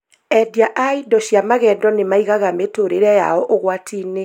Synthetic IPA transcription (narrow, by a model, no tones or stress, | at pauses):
ɛdiaʔaidɔɕjamaɣɛdɔnemaiɣaɣametoɾeɾɛja̰ɔʔoɣwatʰiːne